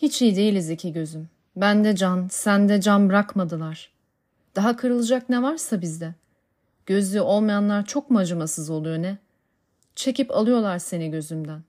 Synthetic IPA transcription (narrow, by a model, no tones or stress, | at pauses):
hit͡ʃʰijd̪e̞jilʲizicʰiɟø̞zym | bænd̪ɛd͡ʒansænd̪ɛd͡ʒanbɯɾakmad̪ɯlˠaɾ̥ | d̪̥aɦakʰɯɾɯlˠɯd͡ʒaknɛvaɾsabizd̪ɛ | ɟ̥ø̞zlʲyʔo̞lˠmajanlˠaɾt͡ʃʰo̞kmad͡ʒamasɯzo̞lˠujonɛ | t͡ʃʰe̞cipa̰lˠɯjo̞lˠaɾse̞niɟø̞zymd̪æn